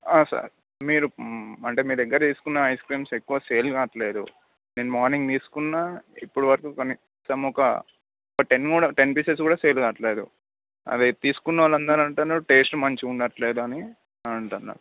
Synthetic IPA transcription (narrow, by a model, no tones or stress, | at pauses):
aːsɐ̰ɾ | miːɾuɐɳʈe̞ːmiːɾɛɡːɐɾɐt̪iːsu̥kunːɐɦɐjskɾiːmse̞kːuʋaːse̞ːlɡaːʈɐle̞ːd̪ṵ | neːnumaːɾniŋɡt̪iːsu̥kunːaːipːuɽuʋɐɾɐkukɐni | sɐmɔkɐ̰ | ɔkɐʈe̞nkuːɽɐʈe̞npiːses̬kuːɽaːseːlɡaːʈɐleːd̪ṵ | ɐ̰d̪it̪iːsu̥kunːɐʋaːlɐnd̪ɐɾɐɳʈanːɐʈeːsʈmɐɲt͡ʃiuɳɖɐʈɐle̞ːd̪uɐni | ɐɳʈunːa̰ːɾu